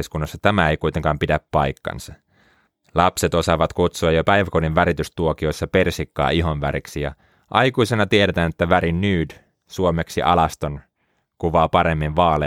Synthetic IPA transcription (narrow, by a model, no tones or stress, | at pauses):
skunːɑsːɑt̪æmæeijkujt̪e̞ŋkɑːmpidæpːɑjkːɑ̰nsɑ | lɑpse̞t̪o̞sɑʋɑt̪kut̪suɑjopæjʋækoninʋæɾit̪yst̪uokio̞jsːɑpe̞rsikːɑ̰ːiɦo̞nʋæ̰ɾiksijɑ̰ | ʔɑjkuise̞nɑt̪ieɾe̞t̪æːnet̪ːæʋæɾinːyːd | suomeksiʔɑ̰lɑst̪on | kuʋɑːpɑɾe̞mːinʋɑːle